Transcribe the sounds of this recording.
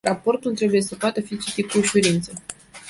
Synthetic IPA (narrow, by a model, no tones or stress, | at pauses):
rapo̞rt̪ult̪ɾe̞buje̞səpoat̪əfit͡ʃit̪it̪̚kuːʃuɾint̪sə